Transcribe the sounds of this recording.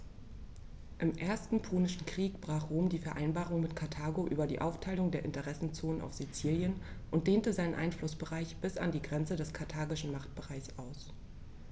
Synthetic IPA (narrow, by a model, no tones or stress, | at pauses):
ʔɪmʔeːɐstn̩pʰoːnɪʃn̩kʁ̥iːk̚b̥ʁaːχʁoːmdiːfɛɐʔaɪnbaːʁʊŋmɪtkʰaɐtʰaːɡoʔyːbɐdiːʔaʊftʰaɪlʊŋdeːɐʔɪntəʁɛsn̩t͡soːnənʔa̰ʊfz̥it͡siːljənʔʊntd̥eːntəzaɪnənʔa̰ɪnflʊsb̥əʁaɪçb̥ɪsa̰ndiːɡʁɛnt͡sədɛskʰaɐtʰaːɡɪʃn̩maχt̚b̥əʁaɪçsʔaʊs